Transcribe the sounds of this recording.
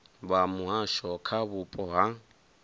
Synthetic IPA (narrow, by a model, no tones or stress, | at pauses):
bamʊɦaʃɔkʰaβʊpʼɔɦaŋ̩